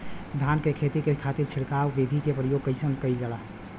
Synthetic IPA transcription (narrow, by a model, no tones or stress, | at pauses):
d̪ʱankekʰet̪ikekʰat̪iɾt͡ʃʰiɽkawbid̪ʱikepɾəjoɡ̚kəɪsənkəjld͡ʒəlaɦ